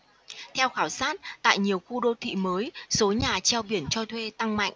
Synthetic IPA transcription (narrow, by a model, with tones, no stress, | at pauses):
t̪ʰɛ˧wxaː˧˩wsaː˦˥t̚t̪a̰ː˧˨jɲi˨˩əwxu˧ɗo˧t̪ʰḭ˧˨məː˨˦jso˨˦ɲaː˨˩t͡ɕɛ˧wɓi˧˩ənt͡ɕɔ˧t̪ʰwe˧t̪a˧ŋma̰˧˨jŋʔ̟